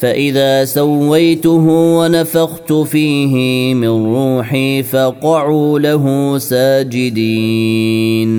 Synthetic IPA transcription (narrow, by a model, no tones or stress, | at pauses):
faʔɪðaːsawːajt̪ʊɦʊwanafaɣt̪ʊfiːɦɪmɪnɾuːħiːfɑqɑʕuːlaɦʊsaːd͡ʒɪd̪i | n